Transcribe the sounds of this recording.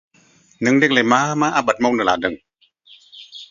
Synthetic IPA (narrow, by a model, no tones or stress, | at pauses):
nɯŋdek̚lemaːmaːʔabat̪̚mɔnɯlaːdɯŋ